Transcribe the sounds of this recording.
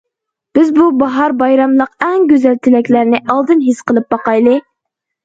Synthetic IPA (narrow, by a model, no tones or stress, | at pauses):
b̥ɪzbubɑɦɑɾbɑjɾɑmlˠəqɛŋɡʲøzælt̪ʰɪlɛkʲlæɾnɪʔɑlˠd̪ɨnɦesqəlˠɨp̚bɑqɑjlˠɨ